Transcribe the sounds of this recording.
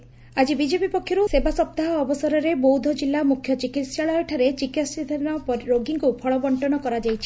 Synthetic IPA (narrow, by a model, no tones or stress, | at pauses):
ad͡ʒibid͡ʒepipɔkʰːjɔɾusebasɔp̚t̪aɦɔːbɔsɔɾɔɾebowd̪ʱɔd͡ʒilːamukʰːjɔt͡ʃikit̪saɭɔjɔʈʰaɾet͡ʃikitsid̪ʱanɔpɔɾoɡiŋkupʰɔɭɔbɔɳʈɔnɔkɔɾad͡ʒajt͡ʃʰi̥